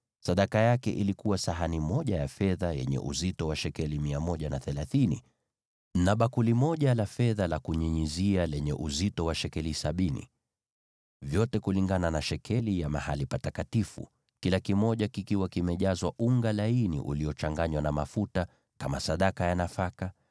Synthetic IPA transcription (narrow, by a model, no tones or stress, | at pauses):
saɗakajakɛʔilikuwasaɦanimɔʄajafɛðajɛ̰ɲɛ̰ʔṵzitɔwaʃɛkɛlimiamɔʄanaθɛlaθinḭ | naɓakulimɔʄalafɛðalakuɲiɲizialɛɲɛʔuzitɔwaʃɛkɛlisaɓinḭ | vjɔtɛkuliŋɡananaʃɛkʰɛlijamahalipatatkatifṵ | kilakimɔʄakikiwakimɛʄazwaʔuŋɡalainḭʔṵliɔt͡ʃaŋɡaɲwanamafuta | kamasaɗakajanafaka